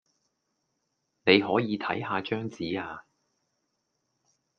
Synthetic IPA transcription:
ne˨˧jɦɔː˨˥jiː˨˧t̪ʰɐ̰˨˥jɦaː˧t͡ʃœː˥ŋt͡siː˨˥aː˧

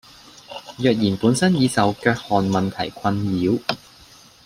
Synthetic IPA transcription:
jœː˨k̚jiː˨˩npuː˨˥nsɐ˥njiː˨˧t͡sɐ˨wkœː˧k̚hɔː˨˩nmɐ˨nt̪ʰɐ˨˩jkʰɐ˧njiː˨˥w

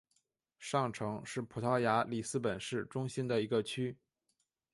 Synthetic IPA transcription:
ʂɑ˥˩ŋʈ͡ʂʰɤ˧˥ŋʂɻ̩˥˩pʰu˨˩t̪ʰɑ˥ʊja˧˥li˨˩sɹ̩˥pə˨˩nʂɻ̩˥˩ʈ͡ʂʊ˥ŋɕi˥nd̪ə˨i˧˥ɡə˧t͡ɕʰy˥

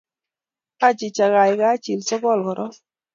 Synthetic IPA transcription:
ka˦t͡ʃɪ˨t͡ʃa˨ɡa˨jɡa˦t͡ʃi˨lsɔ˦ɡɔ˦˨lkɔ˨ɾʔɔ˦

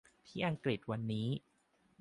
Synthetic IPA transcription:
t̪ʰiː˥˩ʔa˧ŋkli˨˩t̪̚wa˧nːiː˦˥

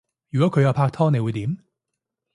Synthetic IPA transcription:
jy˨˩kwɔ˨˥kʰɵ˧ja˥˧wpʰaː˥˧k̚t̪ʰɔː˥ne˧wu˨˥t̪i˨˧˥m

